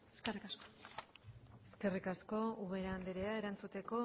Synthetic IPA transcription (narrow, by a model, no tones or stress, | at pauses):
eskerikasko̥ | e̞ske̞rikasko̞uɣeɾaːnd̪eɾeae̞ɾant͡sut̪e̞ko̞